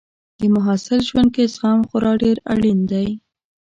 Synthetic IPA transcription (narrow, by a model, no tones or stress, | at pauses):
d̪̥əmʊɦɑsɪlʒwand̪̚kesɣɑmxʊɾɑɖeɾaɽind̪aj